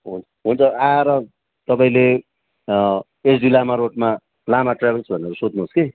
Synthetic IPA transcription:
ɦun | ɦunt͡sʰʌaɾʌ | t̪ʌpaĩle | esʰdilamaɾoʈ̚ma | lamaʈrabʱelt͡sʰbʱʌneɾusod̪ʱnuɦoske

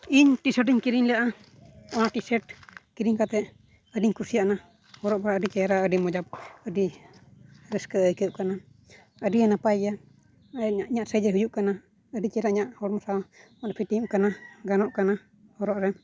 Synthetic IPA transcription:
iɲʈisəʈ̬iɲkiɾiɲlaʔa | ɔnaʈisɛʈ̚kiɾiɲkat̪ɛʔ | əɖiɲkusijaʔna | hɔɾɔʔbaɾaəɖit͡ʃɛjɾaəɖimɔd͡ʒap̚əɖi | ɾɛskəəjkəʔkana | əɖijanapaja | aʔɲaʔsəjd͡ʒəɦujuʔkana | əɖit͡ʃɛɾaʔɲaʔhɔɽmɔsa | ɔpʰiʈimkanaɡanɔʔkana | hɔɾɔʔɾɛm

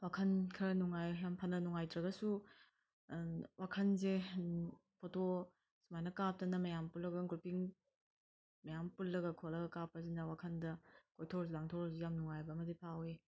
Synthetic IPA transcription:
wakʰɐnkʰɐɾɐnuŋajjampʰanɐnuŋajtɾɐɡɐsu | wakʰɐnze | pʰotʰo | sumajnɐkap̚tɐnɐmɐjampulːɐɡɐŋɡɾupiŋ | mɐjampulːɐɡɐkʰolɐɡɐkap̚ːɐzinɐwakʰɐndɐkojtʰɔɾzlaŋtʰɔɾzijamnuŋajbɐɐmɐdipʰawe

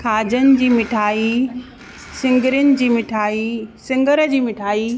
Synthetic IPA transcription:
kʰaːd͡ʑənɪ̆d͡ʑiːmɪʈʰaːi | sɪ̃ŋɡəɾʊnɪ̆d͡ʑiːmɪʈʰaːisɪ̃ŋɡəɾəd͡ʑiːmɪʈʰaːiː

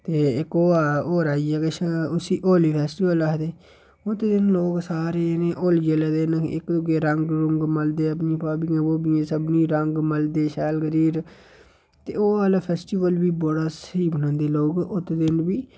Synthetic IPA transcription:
t̪eːɪkoːaːoːɾaːiːaɡeʃʊsiːʔoːliːpʰɛːsʈiːʋəlaɦd̪eː | ʊt̪ːeːd̪ɪnloːksaːɾeːneːʔoːlid͡ʒeːleːd̪eːnɪ̰kd̪ʊɡeːɾəŋɡɾʊŋɡməld̪eːəpnĩːpaːbiːãːoːbiːẽːsəbnĩːɾəŋɡməld̪eːʃɛːlɡəɾiːɾ | t̪ḛːoːaːlapʰɛːsʈiːʋəlʋiːboɽaːsiːbənãːnd̪eːloːɡʊt̪ːed̪ɪnbiː

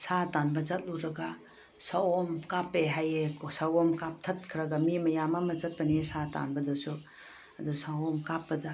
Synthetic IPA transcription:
satanbɐzɐt̚luɾɐɡa | sawomkapeɦajekosawomkap̚tʰɐt̚kʰɾɐɡamimɐjamamɐzɐt̚pɐniesata̰nbɐdɐsu | ɐdusawomkapːɐdɐ

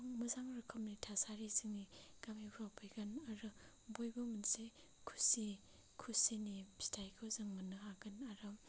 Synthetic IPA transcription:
ŋmɐzaŋɾɯkʰɐmnitʰasaɾizɯŋniɡamibʰɾawpʰɯjɡanaɾɯ | bojbɐmunse | kʰu̥si | kʰusinibi̥tʰajkʰɯwzɯŋmɐnɯɦaɡanaɾɯm

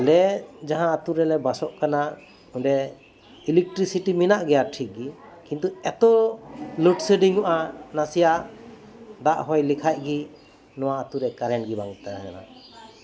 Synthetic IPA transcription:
lɛd͡ʒaɦãːt̪uɾɛlɛbasɔʔkana | uɳɖɛ | ilɛk̚ʈɾisiʈiminaʔɡɛjaʈʰik̚ɡi | kint̪uɛt̪ɔluʈsəɖiŋɔʔanasijaʔ | d̪aʔɦɔjlikʰaj̚ɡi | nɔwaːt̪uɾɛkaɾɛnɡibaŋt̪aana̰

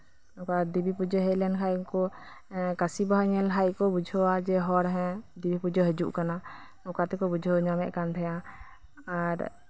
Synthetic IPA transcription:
ɔkad̪ibipud͡ʒɔɦɛlɛnkʰajkɔ | kasibaɦaɲɛlɦajkɔbud͡ʒʱɔwad͡ʒɛɦɔɾɦɛ̃d̪ibʱipud͡ʒɔɦɛd͡ʒṵʔkana | ɔkat̪ɛkɔbud͡ʒʱɔɲamɛʔkant̪ʰɛja | aɾ

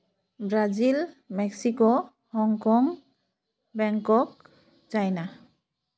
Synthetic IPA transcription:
bɹazilmɛksiko | hɔŋkɔŋ | bɛŋkɔk̚ | t͡ʃajna

